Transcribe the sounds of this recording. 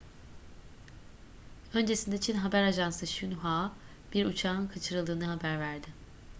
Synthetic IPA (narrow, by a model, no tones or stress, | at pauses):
ø̞nd͡ʒe̞sind̪eit͡ʃʰinɦabæɾaʒansɯʃynɦaː | b̥iɾut͡ʃʰaːɯnkʰat͡ʃʰɯɾɯlˠd̪ɯːnɯɦabæɾvæɾd̪ɪ